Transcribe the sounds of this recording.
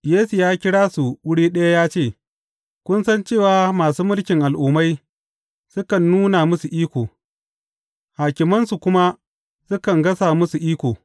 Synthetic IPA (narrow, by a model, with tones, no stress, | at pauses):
jeː˦su˨jaː˦kʲɪ˦ɽaː˦su˨wʊ˦ɽiː˦ɗɐ˦ja˦jaː˦t͡ʃeː˦˨ | kʷʊ˦nsɐ˦nt͡ʃeː˦˨waː˨˦maː˨suː˦mʊ˦lkʲɪ˨ŋʔa˨lʔuː˨ma˦j | sʊ˦kɐ˨nːuː˦na˨mʊ˦su˨ʔiː˦kʷoː˨ | haː˨kʲɪ˨mɐ˦nsu˨kʷʊ˦ma˦ | sʊ˦kɐ˨ŋɡɐ˦sa˨mʊ˦su˨ʔiː˦kʷoː˨